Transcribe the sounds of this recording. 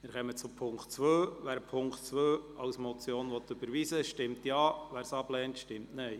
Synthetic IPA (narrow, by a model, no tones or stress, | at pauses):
mɪːɾχɛmət͡sʊpʰʊŋktt͡sʋøːʋæːɾpʰʊŋktt͡sʋøːɑwsmɔt͡sjoːnʋɔt̪ːʉb̥əɾʋiːsəʃtɪmtjɑːʋæːɾsɑb̥lɛːntʃtɪmtnɛɪ